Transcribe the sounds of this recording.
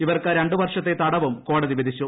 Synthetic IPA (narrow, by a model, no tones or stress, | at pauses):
iʋɐrkɐɾeɳɖɨʋɐrʂɐt̪ːe̞t̪ɐɽɐʋumko̞ːɽɐðiʋid̪it͡ɕːu